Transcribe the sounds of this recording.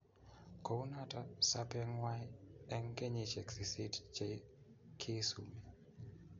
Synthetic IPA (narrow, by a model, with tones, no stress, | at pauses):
ko˨u˦na˦ta˦sa˦pɛ˦ŋwa˦jɛ˦ŋɡe˦ɲit͡ʃɛ˨ksi˨si˦tt͡ʃe˦kʰɪ˦su˨mi˨